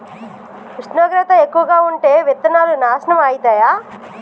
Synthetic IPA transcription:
kɾiʂnoːɡɾɐt̪ɐekːuʋɐɡaːuɳʈe̞ːʋit̪ːɐnaːlunaːʃɐnɐmaːjit̪aːjaː

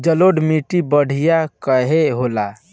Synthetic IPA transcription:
d͡ʒəloɖmiʈibəɽ̤ijakəɦeɦola

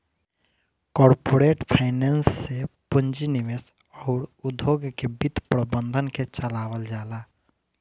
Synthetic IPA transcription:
kɔːɾpoːɾeːʈpʰaɪneːnsːepə̃ɲd͡ʒinɪʋes | ɔːɾʊd̪ʱːoːɡkebɪt̪pɾəbə̃nd̪ʱənket͡ʃəlaːʋəld͡ʒaːlaː

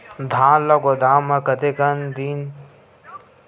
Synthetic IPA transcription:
d̪ʱãːlɐɡod̪aːmɐkɐt̪ekɐnd̪iːn

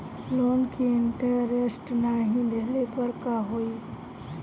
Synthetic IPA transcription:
loːnkiɪɳʈəɾesʈnaːɦĩb̪ʱeɦlepəɾkaɦoiː

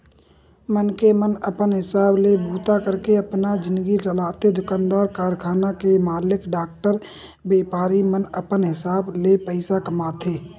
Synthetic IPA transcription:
mənkemənəpənɦɪsaːblebʱuːt̪akəɾkeɐpnad͡ʒɪ̃nd̪əɡit͡ʃəlaːt̪ed̪ʊkãːnd̪aːɾkaːɾkʰaːnakemaːlɪkɖaːk̚ʈəɾ | beːpaːɾimənəpənɦɪsaːblepəɪsakəmaːt̪ɦeː

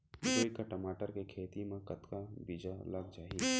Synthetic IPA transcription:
d͡ʒoːikaʈəmaːʈəɾkekʰeːt̪imãkət̪kabiːd͡ʒaləɡd͡ʒaːi

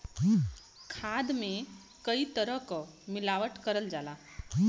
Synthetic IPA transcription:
kʰad̪mẽ | kəit̪əɾəɦkɔmilaʋəʈkəɾəld͡ʒala

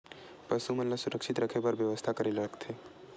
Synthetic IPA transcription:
pəsumənləsuɾəkʃʰit̪ɾəkʰepəɾbjəʋəst̪ʰakəɾeləkt̪ʰe

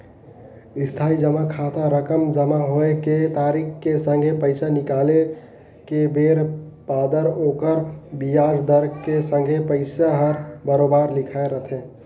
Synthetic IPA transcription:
ɪst̪ʰaid͡ʒəmakʰat̪aɾəkəmd͡ʒəmaɦoeket̪aːɾikkːesə̃ŋɡʱepəɪsanɪkaːle | kebeɾpaːd̪əɾoːkəɾbijaːd͡ʒd̪əɾɡkesə̃ŋɡʱepəɪsaɦəɾbəɾobaɾlɪkʰaeɾət̪ʰẽ

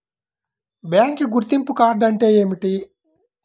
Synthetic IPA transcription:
bjaːŋkiɡuɾt̪impukaːɾɖɐɳʈe̞ːjeːmiʈi

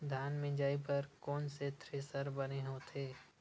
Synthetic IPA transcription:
d̪ʱjaːnmẽd͡ʒaːipɐɾkɔːnset̪ʰɾeːsəɾbɐneɦoːt̪ʰeː

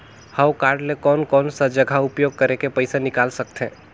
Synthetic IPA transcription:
haʊkaːɾɖlekɔːnkɔːnsəd͡ʒəɡʱaʊpjoːɡ̚kəɾekepəɪsanɪkaːlsək̚t̪ɦɛ̰̃ː

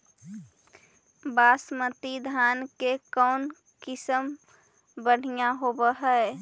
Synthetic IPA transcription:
basmət̪id̪ʱankekɔʊn | kɪsəm | bəɽ̤ijaɦobəɦəe

